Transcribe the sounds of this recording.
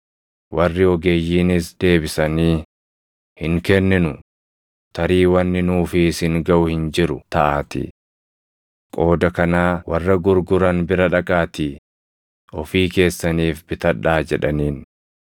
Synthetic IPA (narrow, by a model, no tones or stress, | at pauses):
wɐrːɪɔɡeːjːiːnɪsd̪e̞ːbɪsɐniː | hɪŋkɛnːɪnʊ | t̪ʰɐɾiːwɐnːɪnuːfɪsɪŋɡɐʔʊhɪnd͡ʒɪɾʊt̪ɐʔaːt̪ɪ̰ | kʼo̞ːd̪ɐkɐnaːwɐrːɐɡʊɾɡʊɾɐnbɪɾɐᶑɐkʼaːt̪iː | ɔfiːke̞ːsːɐniːfbɪt̪ɐᶑaːd͡ʒɛᶑɐniːn